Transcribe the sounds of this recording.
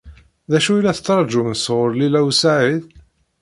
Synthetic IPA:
ðæʃuilːæθə̥t͡sːɾˤd͡ʒumnsʁoɾˤlilæwsaʕið

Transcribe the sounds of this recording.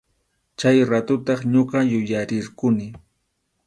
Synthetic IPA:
t͡ʃajɾat̪ʊt̪ɑχɲoɢɑjʊjaɾɪɾkʊnɪ

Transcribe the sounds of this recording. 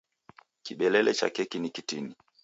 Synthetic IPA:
kiɓɛlɛlɛt͡ʃa̰kɛkinikitini

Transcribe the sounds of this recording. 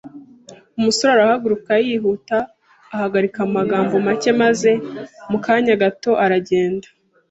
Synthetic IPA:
umuso̞ɾaɾahaɡuɾukajihutaː | haɡaɾikaumaɡaːmbo̞mace̞maze̞mukaːɲaɡato̞ʔaɾaɟe̞ːndḁ

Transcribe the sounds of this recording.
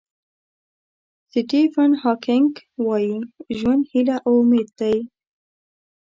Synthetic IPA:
sɪʈifanhɑkʰɪŋɡwɑjiʒwand̪hilaʔawʊmed̪̚d̪aj

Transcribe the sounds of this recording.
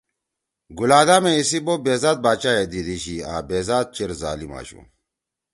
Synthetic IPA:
ɡulaːd̪ameisibobeːzaːt̪̚baːt͡ɕaed̪id̪iɕia̰ːbeːzaːt̪̚t͡ɕeɾza̰ːlima̰ːɕṵ

